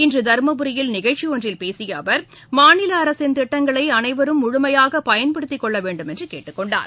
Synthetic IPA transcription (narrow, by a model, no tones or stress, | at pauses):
ɪndrɯd̪ɐɾmɐbɯɾɪjɪlnɪɣɐɻt͡ʃːiɔndrɪlpeːsɪjɐːʋɐɾ | maːnɪlɐːɾɐsɪnt̪ɪʈːɐŋɡɐɭɐɪɐnɐɪʋɐɾɯmʊɻʊmɐjaːɣɐpɐjɐnpɐɽɯt̪ːɪkːɔɭːɐʋeːɳɖɯmɛndrɯkḛːʈːɯkːɔɳɖa̰ːɾ